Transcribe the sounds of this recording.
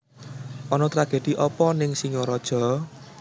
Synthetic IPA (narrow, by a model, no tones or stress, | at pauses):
ʔɔnɔt̪ɾaɡ̥e̤d̪̥i̤ʔɔpɔnɪŋsiŋɔɾɔd̥ʒ̥ɔ̤